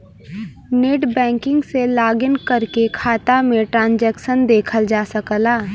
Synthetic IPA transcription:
neːʈbɛ̃ːŋkɪ̃ŋɡselaːɡənkɐɾkekʰaːt̪amẽʈɾãːnd͡ʒɛːkʃənd̪eːkʰəld͡ʒaːsəkəlaː

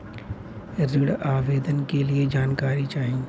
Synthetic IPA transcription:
ɾɪɽaːʋeːd̪ənɪ̆kelied͡ʒaːnkaːɾit͡ʃaːɦĩː

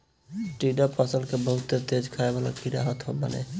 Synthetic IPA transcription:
ʈiɖapʰəsəlkebəɦut̪ːet̪ed͡ʒkʰaebala̰kiɾaɦət̪ɦɔbə̰nḛ

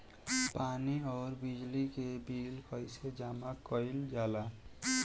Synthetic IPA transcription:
paniɔːɾbid͡ʒlikebilkəjsed͡ʒamakɔɪld͡ʒala

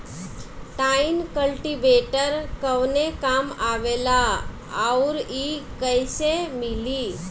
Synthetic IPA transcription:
ʈainkəlʈibeʈəɾkəwnekamaʋela | awɾikəjsemili

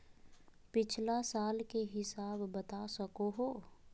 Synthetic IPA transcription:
pɪt͡ʃʰlasaːlkeɦɪsaːbːət̪asəkoɦoː

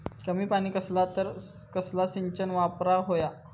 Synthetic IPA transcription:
kəmiːpaɽ̃iːkəslat̪əɾkəslasiɲt͡ɕənʋapɾaɦoja

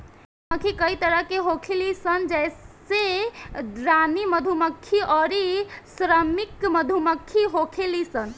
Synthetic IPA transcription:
əkʰikəit̪əɾəɦkeɦokʰelisənd͡ʒɛjs | ed̪ɾaniməd̪ʱuməkʰːiʔɔɾisɾəmikməd̪ʱuməkʰːiɦokʰelisən

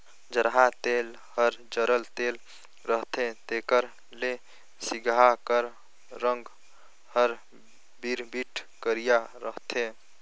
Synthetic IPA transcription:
d͡ʒəɾɦat̪el | həɾd͡ʒəɾəlt̪el | ɾəɦt̪ʰẽt̪ekəɾ | le | siɡakəɾ | ɾəŋɡ | həɾ | biɾbiʈʰkəɾijaɾəɦt̪ʰẽ

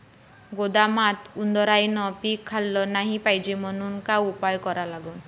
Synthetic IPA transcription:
ɡod̪amat̪und̪ɔɾajnɔpikʰːalːɔnaɦĩpajd͡ʒemɔnuŋkaupajɔkɔɾalaɡɔn

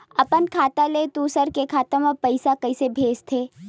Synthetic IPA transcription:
ɐpənkʰaːt̪alet̪usəɾkekʰaːt̪ãmãpəɪsakɐɪsebʱeːst̪ʰeː

